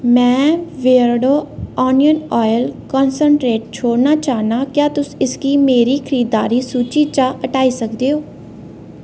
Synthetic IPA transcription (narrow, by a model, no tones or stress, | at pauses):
mɛ̃ːʋeːɾɽoːɔːnijənɔːjəlkɔːnsəɳʈɾeːʈ̚t͡ʃʰoːɽnaːt͡ʃaːnaːkjaːt̪ʊsɪskiːmeːɾiːkʰəɾiːd̪aːɾiːsuːt͡ʃiːt͡ʃaːəʈaːiːsəkd̪eːɦoː